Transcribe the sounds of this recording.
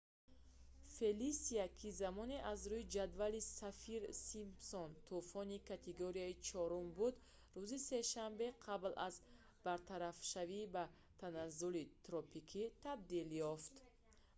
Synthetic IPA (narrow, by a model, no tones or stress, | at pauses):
fe̞lisiakʰizamɔneʔazɾuid͡ʒad̪valisafiɾsimpsɔnt̪ʰufɔnikʰat̪ʰeɡoɾiait͡ʃʰɔɾumbud̪ | ɾuzise̞ʃambe̞qʰablaz | b̥aɾt̪ʰaɾafʃaviːba | t̪ʰanazːulit̪ɾɔpikʰit̪ʰab̚d̪iljɔft̪